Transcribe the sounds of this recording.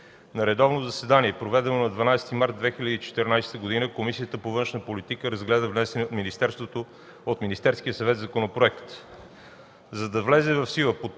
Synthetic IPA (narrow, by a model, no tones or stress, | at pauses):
nɐɾɛd̪ɔvnozɐsɛd̪aniɛpɾovɛd̪ɛnonɐd̪vɐnajsɛ̥t̪imaɾt̪̚d̪vɛxilʲəd̪iːt͡ʃɛ̥t̪ɛɾnajst̪əɡod̪inəkomisiət̪əpovɤ̃nʃnəpolit̪ikəɾɐzɡlɛd̪əvnɛsɛniot̪minist̪ɛɾst̪vot̪o | ot̪minist̪ɛɾskijəsɐvɛt̪zɐkonopɾoɛkt̪ | zɐd̪ɐvlɛzɛvɐfsilˠəpo